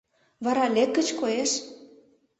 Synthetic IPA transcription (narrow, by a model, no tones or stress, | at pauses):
βɑɾɑlʲekːə̆t͡ɕkojeʃ